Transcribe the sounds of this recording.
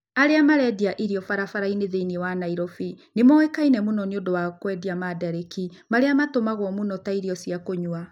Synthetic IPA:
aɾeamaɾɛdiaʔiɾiɔfaɾafaɾaineðeiniewanaiɾɔfinemɔekainɛmunɔneondowakwɛdiamadaɾekimaɾeamatomaɣwɔmunɔtaiɾiɔsiakoɲwa

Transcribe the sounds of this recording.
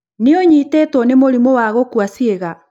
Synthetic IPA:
neɔɲitɛːtɔnemoɾimɔwaɣokwasieɣa

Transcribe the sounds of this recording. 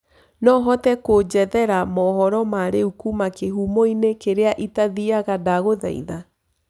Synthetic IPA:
nɔɦɔtɛkod͡ʑɛðɛɾamɔɦɔɾɔmaɾeukumakeɦumoinekeɾeaʔitaðiaɣadaɣoða̰ḭða

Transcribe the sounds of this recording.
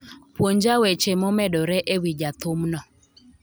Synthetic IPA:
pwoɲd͡ʒawet͡ʃemɔmɛdɔɾɛʔewid͡ʒat̪ʊmnɔ

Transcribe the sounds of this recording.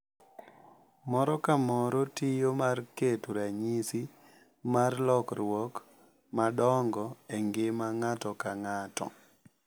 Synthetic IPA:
mɔɾɔkamɔɾɔtijomarketuɾaɲisi | marlɔkɾwɔk | madɔŋɡɔeŋɡemaŋatɔkaŋatɔ̰

